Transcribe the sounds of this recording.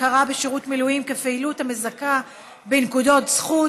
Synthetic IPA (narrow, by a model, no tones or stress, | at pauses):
kaʁabeʃeʁutmilujimkefeilutamezaka | benkudo̞tzχu